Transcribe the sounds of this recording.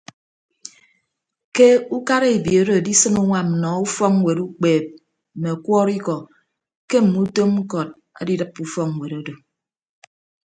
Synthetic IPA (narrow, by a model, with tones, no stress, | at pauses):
ke˦u˦ka˦ɾe˦˨e˨bjo˨˦ɾo˨di˦sɨ˦ŋu˦ŋʷa˨m̩˨nɔ˨u˦fɔ˦ŋŋ˨we˨ɾu˦k͡peː˨p̚ | m̩˨me˨kwɔː˦ɾi˦kɔ˨ | ke˦m̩˨mu˦to˦m̩˦kɔ˨t̚ | a̰˨di˦dɨ˦pːu˦fɔ˦k̚ŋ̩˨we˨ɾo˦do˨